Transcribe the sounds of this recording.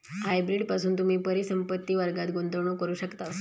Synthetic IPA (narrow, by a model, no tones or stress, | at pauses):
ɦajbɾiɖpasuːnt̪um̤iːpəɾisəmpət̪ːiːʋəɾɡat̪ɡont̪əʋɳ̃okəɾuːɕəkt̪a